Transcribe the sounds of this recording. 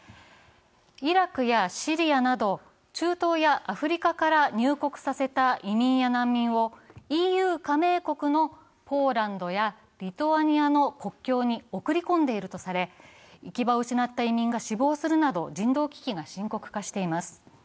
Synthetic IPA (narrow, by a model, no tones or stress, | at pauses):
iɾakɯ̟jaɕiɾʲijanad̪o̞ | t͡ɕɨːt̪o̞ːjaʔaɸɯ̟ɾʲikakaɾaɲɨːko̞kɯ̟̥sase̞t̪aʔimʲĩɰ̃janãmːʲĩɰ̃o̞iːjɯ̟ːkame̞ːko̞kɯ̟no̞ | pʰo̞ːɾãnd̪o̞ja | ɾʲit̪o̞aɲ̟iano̞ko̞kʲːo̞ːɲ̟io̞kɯ̟ɾʲikõ̞nd̪e̞iɾɯ̟t̪o̞saɾe̞ | ikʲibaɯ̟ɕinat̪ːaimʲĩŋɡaɕibo̞ːsɨɾɯ̟nad̪o̞d͡ʑĩnd̪o̞ːkʲi̥kʲiɡaɕĩŋko̞kɯ̟̥kaɕi̥t̪e̞imasɨ̥